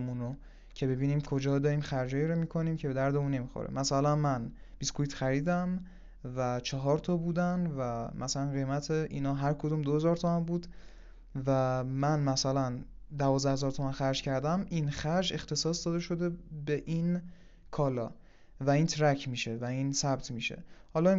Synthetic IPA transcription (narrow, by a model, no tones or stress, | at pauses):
muno | cʰe̞be̞biːniːmkʰo̞d͡ʒɒːd̪ɒːɾiːmxæɾd͡ʒɒːjiɾomiːkʰo̞niːmcʰe̞be̞d̪æɾd̪euːnːe̞miːxo̰ɾḛmæsælænmænb̥iskoit̪xæɾiːd̪æm | væt͡ʃʰɒɦɒːɾt̪ʰɒːbuːd̪ænvæmʔæsælænɡe̞jmæt̪ʰeʔiːnɒːɦæɾkʰod̪uːmd̪ohe̞zɒːɾt̪ʰo̞mænbuːd̪ | væmænmæsælæn | d̪ævɒːzd̪æhe̞zɒːɾt̪ʰo̞mænxæɾd͡ʒcʰæɾd̪æminxæɾd͡ʒe̞xt̪ʰe̞sɒːsd̪ɒːd̪eʃo̞d̪e̞beʔin | kʰɒːlɒ̰ː | væiːnt̪ʰɾæcʰmiːʃe̞væiːnsæb̥t̪ʰmiːʃḛhɒːlɒː